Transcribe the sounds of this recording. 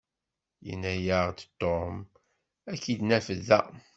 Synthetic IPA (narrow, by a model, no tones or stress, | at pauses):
jə̰nːæjəʁd̪t̪ːom | ækːid̪næfəðæ̰